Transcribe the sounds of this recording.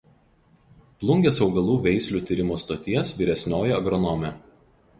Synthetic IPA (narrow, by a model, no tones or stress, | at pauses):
plˠʊŋʲɡʲɛsɒʊɡɐlˠuːʋʲɛɪsʲlʲuːt̪ʲiːˑɾʲɪmoːst̪oːt̪ʲiɛsʋʲiːɾʲɛsʲnʲoːjɛɐɡɾɔnɔmʲɛ